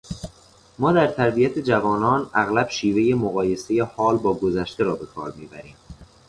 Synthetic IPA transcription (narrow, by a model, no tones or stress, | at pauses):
mɒːd̪æɾt̪ʰæɾbijæt̪ʰed͡ʒævɒːnɒːnæɣlæb̥ʃiːve̞je̞moɣɒːje̞sejehɒːlbɒːɡozæʃt̪e̞ɾɒːbe̞kʰɒ̰ːɾmiːbæɾiːm